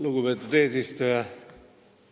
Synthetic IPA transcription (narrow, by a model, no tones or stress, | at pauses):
luɡupet̪ːˑud̪eːsist̪ujɑ